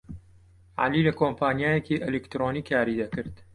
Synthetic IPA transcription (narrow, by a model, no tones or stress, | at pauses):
ʕa̰lilɐkʰoːmpʰaːnjaːjekiʔɛlekt̪ɾoːniːkʰːaːɾid̪ɐkɨɾd̪̥